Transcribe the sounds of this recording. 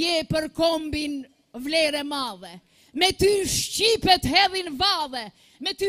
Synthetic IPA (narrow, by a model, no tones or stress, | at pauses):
ɛpəɾkɔmbin | vlɛɾɛmaðɛ | mɛt̪yʃcipɛt̪ɦɛðinvaðɛ | mɛt̪y